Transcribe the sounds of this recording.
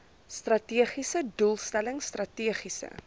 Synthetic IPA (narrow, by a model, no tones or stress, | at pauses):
strɐtiəχisədulˠstæləŋstrɐtiəχisə̰